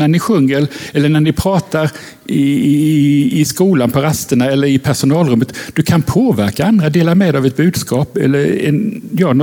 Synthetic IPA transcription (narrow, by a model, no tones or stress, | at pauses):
æɳɪɧɵŋːəɾɛlːəɳænɪpʰɾɑːt̪aɾ | ɪ | ɪskuːlanpʰɔɾast̪əɳaɛlːəɾɪpʰæʂʊnɑːlɾɵmːət̪d̪̥ɵkʰanpʰoːvæ̰ɾkaand̪ɾad̪eːlaɾmeːd̪avɛt̪̚bʉ̟ːd̪skɑːpɛ̰lːəɾɛ̰njɑːnɔ